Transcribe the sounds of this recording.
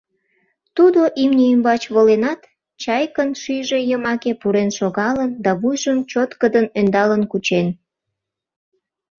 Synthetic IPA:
t̪ud̪oʔimnʲəymbɑt͡ɕβolenɑt̪ | t͡ɕɑjkənʃyjʒe̽jəmɑkepuɾenʃoɣɑlənd̪ɑβujʒəmt͡ɕot̪kəd̪ənønd̪ɑlənkut͡ɕen

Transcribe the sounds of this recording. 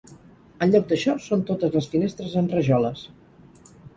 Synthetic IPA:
ənʎɔɡ̚d̪əʃɔsont̪ot̪əzləsfinest̪ɾəzənrəʒɔləs

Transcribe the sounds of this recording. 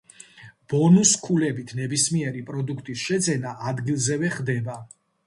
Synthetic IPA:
b̥ɔnuskʰulɛbit̪ʰnɛbismiɛɾipʼɾɔd̪ukʰt̪ʼisʃɛd̪zɛnaʔad̪ɡilˠzɛvɛχd̪ɛba

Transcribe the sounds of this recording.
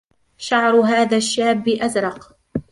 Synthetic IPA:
ʃaʕɾˤɦaːðaːʃːaːbːɪʔazɾˤɑq

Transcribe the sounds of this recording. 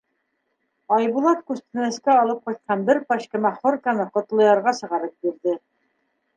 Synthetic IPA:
ɑjbulˠɑt̪kʉst̪ɘ̆næ̆skæɑlˠɤp̚qɑjt̪̚qʰɑnbɘɾpɑɕkɘ̆mæχoɾkɑnɤqŏt̪lˠɤ̆jɑɾʁɑsɤ̆ʁɑɾɤp̚biɾðɘ

